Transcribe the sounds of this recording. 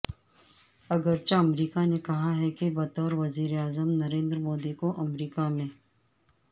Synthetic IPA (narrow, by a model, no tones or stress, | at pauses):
ɐɡəɾt͡ʃaɐmɾiːkanekɐɦaɦɛkebɐt̪ɔːɾʋɐziːɾeaːzəmnɐɾẽːnd̪ɾəmoːd̪ikoʔɐmɾiːkamẽː